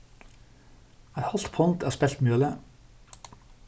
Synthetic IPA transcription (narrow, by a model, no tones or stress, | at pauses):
æɪhɑlt̪pʰɔnt̪ʰæːspɛlt̪mjøːlə